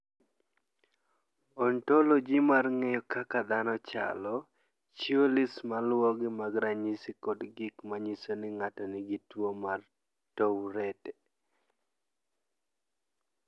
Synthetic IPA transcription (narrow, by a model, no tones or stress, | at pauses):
ɔntolod͡ʒimarŋejokakad̪anɔt͡ʃa̰lɔ | t͡ʃiolismalwɔɡɪmaɡɾaɲisikɔdɡɪkmaɲisonɪŋatɔnɪɡitwomar | towɾɛtɛ